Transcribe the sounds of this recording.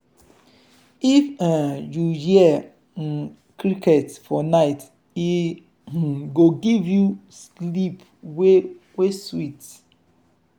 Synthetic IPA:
ifãjujiɛ | kɾiketfɔnaɪt | i | ɡoɡivjuslip | we | weswit

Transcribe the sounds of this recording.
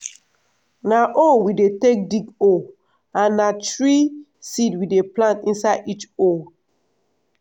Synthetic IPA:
naʔowidetek̚diɡo | ãnːatɹi | sidwideplãntĩnsadit͡ʃo

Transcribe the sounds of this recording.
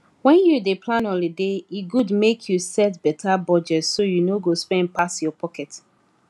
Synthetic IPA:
wɛ̃njudepʰlãnɔ̃lledeiɡudmekʰjusɛtbɛtʰabɔd͡ʒɛtsojunoɡospɛ̃npasjɔpʰɔkɛt

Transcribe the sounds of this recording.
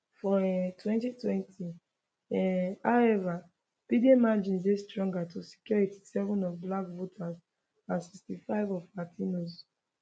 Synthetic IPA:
fɔɛtʰwɛ̃ntitwɛ̃ntʰi | ɛhaʊɛva | pidemad͡ʒĩnzestɹɔ̃ŋɡatusi̥kjɔɹiti̥sɛvɔ̃nɔvblakvotʰaz | ãnsikstifaɪvɔfatʰĩnoz

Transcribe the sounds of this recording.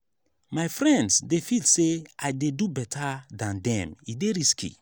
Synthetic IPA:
majfɹɛ̃ndsdefilseaɪdedubɛtʰadãndɛ̰̃mideɹiskḭ

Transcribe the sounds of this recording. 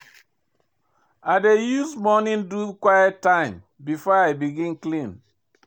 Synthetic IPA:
adejuzmɔnĩndukwajɛttːãɪ̃m | bifɔaɪbiɡĩnklĩn

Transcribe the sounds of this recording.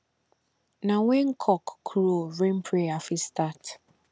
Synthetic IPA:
nãwɛ̃ŋkʰɔkːʰɾoɹẽmpʰɾeafistat

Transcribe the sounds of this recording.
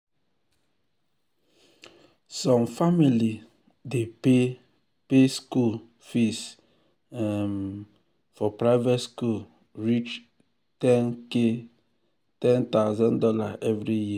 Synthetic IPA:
sɔ̃mfamili | depe | peskul | fis | ɛm | fɔpɾaɪvɛtskul | ɹit͡ʃ | tɛnke | tɛ̃nt̪aʊzɔ̃ndɔlaʔɛvɾiji

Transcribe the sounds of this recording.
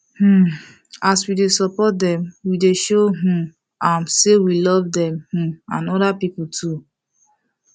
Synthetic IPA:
hm̩ | aswidesɔpɔt̚dɛ̃mwideʃoɦ̩ | ãmsewilɔvdɛ̃mh̩ãnɔdapiputʰu

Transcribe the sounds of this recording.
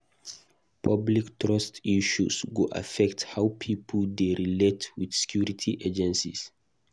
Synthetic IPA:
pʰabliktʰɹɔstiʃṵsɡuʔa̰fɛkthawpʰipʰəldeɹiletʰwidsɛ̥kʰjuɹitʰiʔed͡ʒɛ̃nsḭs

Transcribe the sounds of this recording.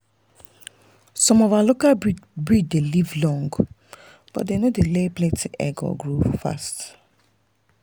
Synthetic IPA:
sɔ̃mɔvalokabɹid͡ʒdelivlɔ̃ŋɡ | b̥ɔ̰tdenodeleplɛtʰiʔɛ̰ɡɔ̰ɡɹufa̰st

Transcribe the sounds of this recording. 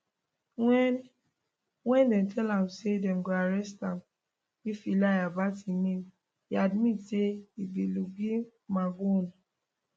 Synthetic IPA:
wɛn | wɛ̃ndɛ̃mtʰɛlãmsedɛ̃mɡoaɹɛstãm | ifilajabatinẽm | iadmitseibiluɡĩ | maɡõn

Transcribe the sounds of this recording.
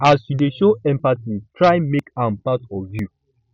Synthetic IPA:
asjudeʃoɛ̃mpatitʰɹaɪmekãmpatɔvju

